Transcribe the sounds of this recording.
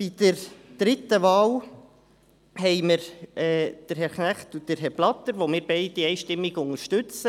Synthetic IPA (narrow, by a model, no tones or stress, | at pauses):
b̥id̪̥əɾd̪̥ɾɪt̪əʋɑːl | hɛɪməɾɛːd̥əɾɦɛɾknæχt̪udəɾɦɛɾblɑt̪ːəɾʋomɪːɾbɛɪd̥iɛɪʃtɪmːiɡʊŋəɾʃtʉt͡sə